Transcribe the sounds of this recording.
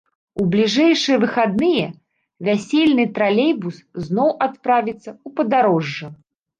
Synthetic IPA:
ublʲiʐɛjʂɨjɛvɨxad̪nɨjɛ | vʲasʲelʲnɨt̪ɾalʲejbusznɔwʔat̪pɾavʲit̪sːɐupɐd̪aɾɔʐːɐ

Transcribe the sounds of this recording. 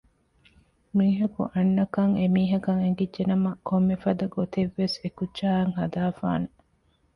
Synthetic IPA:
miːɦɐkṵʔɐnːɐkɐŋemiːɦɐkɐŋeŋɡidd͡ʒenɐmɐkʰomːefɐd̪ɐɡot̪eʋːesekut͡ʃːaːɐŋɦɐd̪aːfa̰ːne

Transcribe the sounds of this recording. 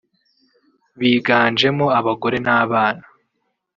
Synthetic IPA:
βiːɡaːnd͡ʒe̞moaβaɡo̞ɾe̞naːβaːna

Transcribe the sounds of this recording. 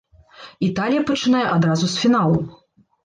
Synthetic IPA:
it̪alʲijɐpɐt͡ʂɨnajɛʔad̪ɾazusʲfʲinalˠɐm

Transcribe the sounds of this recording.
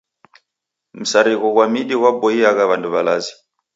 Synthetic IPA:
m̩saɾiɣɔɣwamiɗiwabɔiaɣaβanduβalazi̥

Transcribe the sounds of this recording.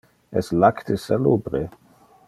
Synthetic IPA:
ɛslakt̪ʰesalubɾe

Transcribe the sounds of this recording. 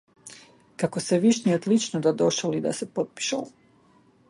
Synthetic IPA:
kakoseʋiʃniod̪lit͡ʃnod̪ad̪o̞ʃalid̪a̰sepot̪̚pi̥ʃal

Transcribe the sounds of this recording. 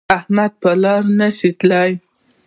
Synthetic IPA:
ahmad̪̚pəlɑɾnəʃit̪ləj

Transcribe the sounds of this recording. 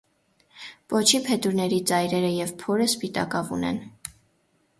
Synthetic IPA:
pɔt͡ʃʰipʰɛt̪uɾnɛɾit͡sɑjɾɛɾəjɛvpʰɔɾəspit̪ɑ̰kɑvṵnɛ̰n

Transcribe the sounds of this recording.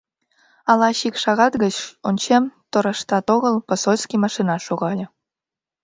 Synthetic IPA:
ɑlɑɕikʃɑɣɑt̪ɣət͡ɕonʲt͡ɕemt̪oɾə̆ʃt̪ɑt̪oɣəlpəsolʲskimɑʃinɑʃoɣɑlʲɤ̆

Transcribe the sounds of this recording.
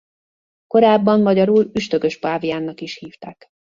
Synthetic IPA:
ko̞ɾaːbːɒmmɒɟɒɾuːlyʃt̪ø̞ɡø̞ʃpaːvijaːnːɒkiʃhiːft̪aːk

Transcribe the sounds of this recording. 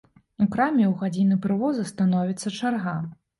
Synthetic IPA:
ukɾamʲɛwɣad͡zʲinɨpɾɨvɔzɨst̪an̪ɔvʲit̪sːɐt͡ʂarɣa

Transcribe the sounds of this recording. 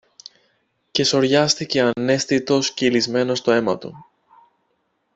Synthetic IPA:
ce̞so̞ɾʝɐst̪ice̞ɐne̞st̪it̪o̞sceilizme̞no̞st̪o̞e̞mɐt̪ṵ

